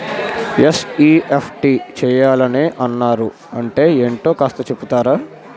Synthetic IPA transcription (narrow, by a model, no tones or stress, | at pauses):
jesiːʔepʰʈiːt͡ʃɛːjaːlɐneːʔɐnːaːɾu | ɐɳʈe̞ːeːɳʈo̞ːkaːst̪ɐt͡ʃe̞put̪aːɾaː